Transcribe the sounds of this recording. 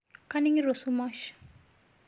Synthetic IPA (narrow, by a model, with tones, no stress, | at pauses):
kani˦ŋi˦ɾo˨suma˦ʃ